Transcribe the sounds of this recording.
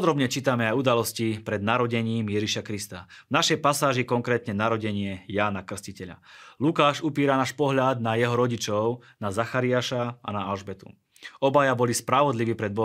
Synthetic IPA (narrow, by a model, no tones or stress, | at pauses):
pɔd̪ɾɔbɲɛt͡ʃiːt̪amɛajud̪alɔscipɾɛd̪naɾɔɟɛɲiːmjɛʒiʃakɾist̪avnaʃɛjpasaːʒikɔŋkɾɛːt̪ɲɛnaɾɔɟɛɲɪɛjaːnakr̩scicɛʎa̰lukaːʃupiːɾanaːʃpɔɦʎad̪najɛɦɔɾɔɟit͡ʃɔʊnazaxaɾiaʃaa̰naalʒbɛt̪ṵ | ɔbajabɔlispɾaʋɔd̪liʋiːpɾɛd̪̚bɔ